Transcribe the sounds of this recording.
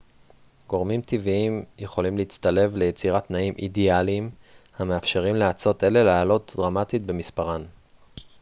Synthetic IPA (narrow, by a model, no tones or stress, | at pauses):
ɡo̞ʁmimt̪iviimje̞χo̞limleit͡st̪ale̞vle̞jet͡siʁat̪naimʔḭdialim | hameafʃe̞ʁimleat͡so̞t̪e̞le̞leːlo̞td̪ʁamat̪itbe̞mispaʁan